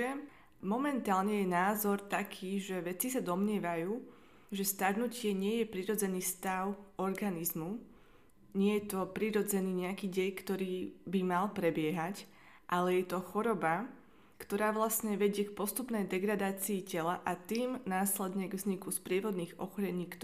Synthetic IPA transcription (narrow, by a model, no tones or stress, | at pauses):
ɛ | mɔmɛnt̪aːlɲɛjɛnaːzɔɾt̪akʰiːʒɛʋɛt͡sisad̪ɔmɲɪɛʋajuː | ʒɛst̪aɾnucɪɛɲɪɛjɛpɾiɾɔd͡zɛniːst̪aʊɔɾɡanizmu | ɲɪɛjɛt̪ɔpɾiɾɔd͡zɛniːɲɛakiːɟɛjkt̪ɔɾiːbimalpɾɛbɪɛɦac | ʔalɛjɛt̪ɔxɔɾɔba | kt̪ɔɾaːʋlasɲɛʋɛɟɪɛkpɔst̪upnɛjd̪ɛɡɾad̪aːt͡siːcɛlaʔat̪iːmnaːslɛd̪ɲɛɡvzɲikuspɾɪɛʋɔd̪niːɣɔ̰xɔɾɛɲiːk̪